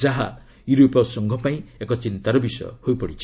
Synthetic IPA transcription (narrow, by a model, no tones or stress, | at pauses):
aɦa̰ | juɾopɔsɔŋɡʱɔpaĩekɔt͡ʃint̪aɾɔbisɔjɔ̰hojpɔɽit͡ʃʰi̥